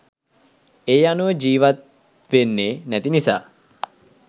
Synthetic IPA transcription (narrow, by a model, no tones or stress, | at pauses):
eːjanuʋəd͡ʒiːʋat̪ | ʋenːeːnæt̪inisa̰ː